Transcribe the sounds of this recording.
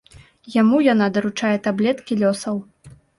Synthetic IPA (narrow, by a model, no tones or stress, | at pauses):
jamujanad̪ɐɾut͡ʂajɛt̪ablʲɛt̪kʲilʲɔsɐw